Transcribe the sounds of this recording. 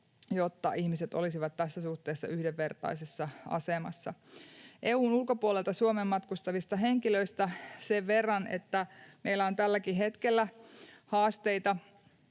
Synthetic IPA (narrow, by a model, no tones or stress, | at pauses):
jot̪ːɑʔihmiset̪olisiʋɑt̪tæsːæsuht̪eːsːɑ̰ʔyhdeʋːe̞rt̪ɑ̰isesːɑɑ̰semɑ̰sːɑ̰ʔeːuːnulko̞puolelt̪ɑsuomemːɑt̪kust̪ɑʋist̪ɑɦe̞ŋkiløist̪æseʋːerːɑnʔḛt̪ːæmeilːˑæo̞nt̪ælːækiɦet̪kelːæhɑːst̪eit̪ɑ